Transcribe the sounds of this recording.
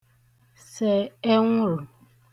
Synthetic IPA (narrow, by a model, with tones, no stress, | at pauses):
se˨e˦ŋʷʊ˦ɾʊ˨